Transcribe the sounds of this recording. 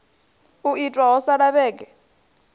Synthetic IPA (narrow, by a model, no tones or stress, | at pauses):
uitʼwaɔsaɺaɓɛːk̬ʼɛ